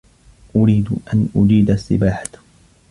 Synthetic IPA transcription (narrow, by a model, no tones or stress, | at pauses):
ʔʊɾiːd̪ʔanʔʊd͡ʒiːd̪asːɪ̰baːħḁt̪